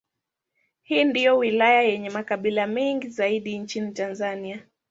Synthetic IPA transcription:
hiːndijɔwilajajɛɲɛmakaɓilamɛŋɡizaiɗint͡ʃinitanzania

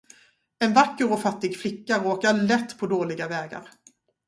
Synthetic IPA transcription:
ɛnvakːəɾɔfat̪ːɪɡflɪkːaɾoːkaɭɛt̪ːpʰɔd̪oːlɪɡavɛːɡa̰ɾ

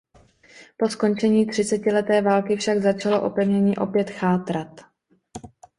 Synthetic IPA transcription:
po̞sko̞nt͡ʃɛɲiːt̪r̝̥ɪt͡sɛcɪlɛt̪ɛːvaːlkɪfʃaɡzat͡ʃalo̞ʔopɛvɲɛɲiːʔo̞pjɛt̪xaːt̪ɾat̪

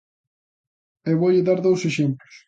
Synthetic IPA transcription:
eβoʎɪðaɾðowseʃemplʊs

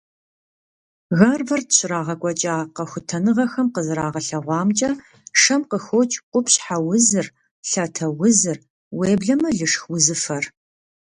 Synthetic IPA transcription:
ɣarvɐrtɕɪɾaːʁɐkʷʼɔt͡ʃʼaːqɐxʷʊtʰɐnɨʁɐxɐmqəzɨɾaːʁɐɬɐʁʷɑːmt͡ʃʼɐ | ʂɐmqəxot͡ʃʼqʷʊpɕħawʊzɨr | ɬɐtʰɐwʊzɨr | weːbɮɐmɐɮɨʂxwʊzɨfɐr

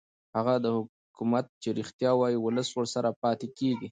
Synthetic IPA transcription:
haɣad̪əhʊ | kumat̪̚t͡ʃeɾixt̪jɑwɑjiwʊləswəɾsaɾapɑt̪ekeɡi

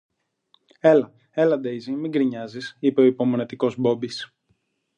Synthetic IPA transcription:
e̞lɐ | e̞lɐd̪ejzimiŋɡɾiɲɐzisipe̞o̞ipo̞mo̞ne̞t̪iko̞zbo̞bis

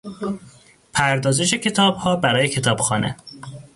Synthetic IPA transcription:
pʰæɾd̪ɒːze̞ʃe̞cʰe̞t̪ʰɒːbhɒːbæɾɒːjecʰe̞t̪ʰɒːb̥xɒːnḛ

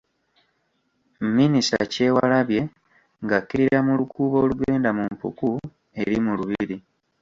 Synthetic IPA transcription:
mminisa̰ce̞ːwa̰laβje̞ | ŋɡakːiɾiɾɾamulukuːβo̞ːluɡe̞ːndamumpṵku | e̞ɾimuluβiɾi

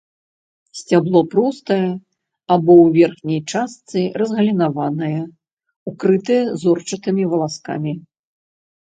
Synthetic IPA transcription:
sʲt͡sʲablˠɔpɾɔst̪ɐjɐ | abɔwvʲɛrxnʲɐjt͡ʂast̪sɨrɐzɣɐlʲinavanɐjɐ | ukɾɨt̪ɨjɐzɔrt͡ʂɐt̪ɨmʲivɐlˠaska̰mʲi

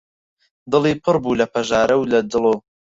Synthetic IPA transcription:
d̪ɨliːpʰɨɾbuːlɐpʰɐʒaːɾɐwlɐd̪ɨlo

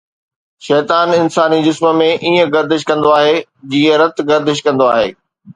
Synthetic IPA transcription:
ʃɛːt̪aːnɪnsaːnid͡ʑɪsmə̆mẽʔiːə̃ɡɐɾd̪ɪʃkɐ̃nd̪oaːɦed͡ʑiːə̃ɾɐt̪ɡɐɾd̪ɪʃkɐ̃nd̪oaːɦeː

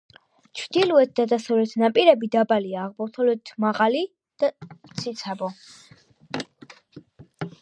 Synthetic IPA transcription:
t͡ʃʰvd̪iluɛt̪̚d̪ad̪asɔvɾɛt̪ʰnapʼiɾɛbid̪abaliaːʁbɔt̪ʰɔlɛt̪ʰmaʁali | d̪̥at̪sʰit̪sʰabɔ

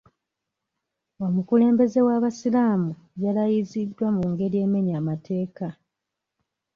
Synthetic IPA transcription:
o̞mukule̞ːmbe̞ze̞waβasilaːmu | jalajizidːwamuŋɡe̞ɾije̞ːme̞ɲamatʰe̞ːka

